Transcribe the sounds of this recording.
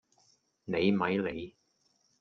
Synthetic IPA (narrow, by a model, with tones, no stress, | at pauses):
ne˨˧jmɐ˨˥jle˨˧j